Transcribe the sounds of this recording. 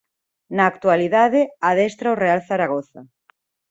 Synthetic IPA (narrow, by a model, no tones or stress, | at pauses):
naːkt̪waliðaðeaðɛst̪ɾaorealθaɾaɣoθa̰